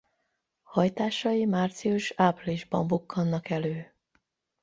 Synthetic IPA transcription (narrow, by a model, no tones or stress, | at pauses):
hɒjt̪aːʃɒjimaːrt̪sijuʃaːpliʒbɒɱbukːɒnːɒkɛløː